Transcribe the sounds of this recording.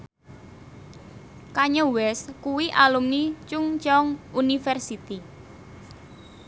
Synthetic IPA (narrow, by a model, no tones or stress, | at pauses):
kaɲəwɛskuwiʔalumnit͡ʃʊŋt͡ʃɔŋunifɛrsit̪i